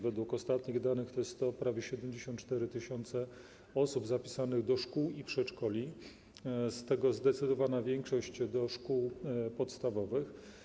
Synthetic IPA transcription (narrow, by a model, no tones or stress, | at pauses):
vɛd̪wukɔst̪at̪ɲiɣd̪anɘxt̪ɔjɛst̪ːt̪ɔpɾavʲjɛɕɛd̪ɛmd͡ʑeɕɔ̃nt̪t͡ʂt̪ɛɾɘt̪ɘɕɔnt̪sɛ | ɔsubzapʲi̥sanɘɣd̪ɔʂkuwipʂɛtt͡ʂkɔlʲi | st̪ɛɡɔzd̪ɛt̪sɘd̪ɔvanavʲjɛŋkʂɔɕt͡ɕd̪ɔʂkuwpɔt̪st̪avɔvɘx